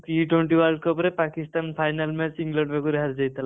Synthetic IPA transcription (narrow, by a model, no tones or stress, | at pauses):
iʈwoɳʈiwaɾɖ̚kɔpɾepakist̪anpʰajnalmesiŋɡlɔʈbekuɾeɦaɾd͡ʒajt̪ʰal